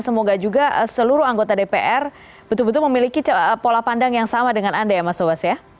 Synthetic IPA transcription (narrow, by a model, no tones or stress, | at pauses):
nsəmoɡad͡ʒuɡasəluɾuaŋɡot̪adepeʔɛr | b̥ət̪ʊlbət̪̬ʊlməmilikipolapandaŋjaŋsamadəŋanandajamast̪obasja